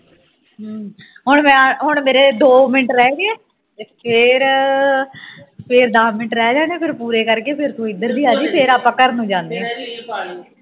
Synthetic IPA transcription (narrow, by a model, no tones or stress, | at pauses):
ɦʊɳmɛ̃ɦʊɳmeːɾeːd̪oːmɪʈɾɛːɡeɛː | pʰɪɾ | pʰɪɾd̪aːmɪʈɾɛːd͡ʒaːneːpʰɪɾpuːɾeːkəɾkeːpʰɪɾsoɪnd̪əɾd̪iːaːd͡ʒiːpʰɪɾaːpãːkəɾnũːd͡ʒãːnd̪eː